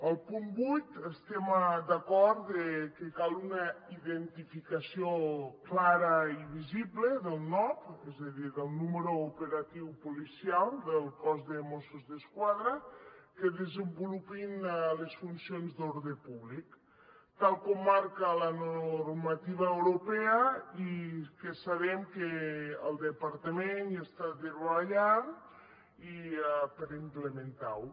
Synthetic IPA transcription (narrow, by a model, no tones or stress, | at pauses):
əlˠpumbujt̪əst̪emad̪akɔɾt̪d̪ekekalˠunaiðent̪ifikasioklaɾɐiβiziβleðəlˠnɔpɛzəðiðəlˠnuməɾuupeɾat̪iwpulisialˠd̪əlˠkɔzðəmosuzðəskwaðɾəkeðəzəmbulupinlesfunsionzd̪oɾðepuβlik | t̪alˠkɔmːaɾkalanoɾmat̪iβaewɾopɛaikesaβɛmkeːlˠd̪əpaɾt̪amenast̪aðeɾβββaʎan | iapəɾimplemẽnt̪aw